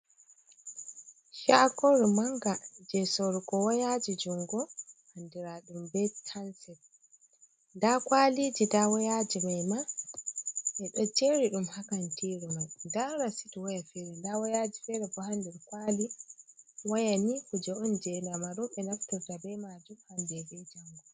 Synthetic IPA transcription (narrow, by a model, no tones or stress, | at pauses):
ʃakɔɾmaŋɡad͡ʒɛsɔɾkɔwajad͡ʒid͡ʒuŋɡɔhandiɾaɗumbɛtʰansɛt̚ | ndakwalid͡ʒidawɔjad͡ʒimajma | ʔɛɗɔt͡ʃeɾiɗumhakantʰiɾumajndaɾasitɔwajafɛɾɛndawɔjad͡ʒifɛɾɛfɔhandiɾkwali | wajanikud͡ʒɛɔnd͡ʒɛnamaɾɔɓɛnaftuɾtabɛmad͡ʒumhandɛbɛd͡ʒaŋɡɔ